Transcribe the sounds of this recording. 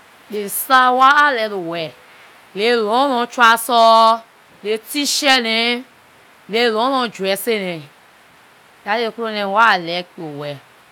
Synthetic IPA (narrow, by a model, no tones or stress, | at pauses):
lesawaːlɛlowɛ | lelɔ̃lɔ̃t͡ʃasɔ | letiʃɛnẽ | lelɔ̃lɔ̃d͡ʒuɛsenẽ | jaekulõnɛ̃walɛk͡piowɛ